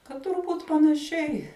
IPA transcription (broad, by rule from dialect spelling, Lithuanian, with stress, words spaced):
kɐt tʊrˈbuːt pɐnɐˈʃʲɛɪ